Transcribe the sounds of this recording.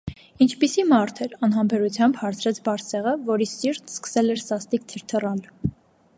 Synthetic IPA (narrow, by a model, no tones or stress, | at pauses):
int͡ʃʰpisimɑɾt̪ʰɛɾɑnɦɑmbɛɾut͡sʰjɑmbhɑɾt͡sʰɾɛt͡sʰbɑɾsɛʁəvɔɾisiɾt̪ʰskə̥sɛlɛɾsɑst̪ikt̪ʰiɾt̪ʰərɑl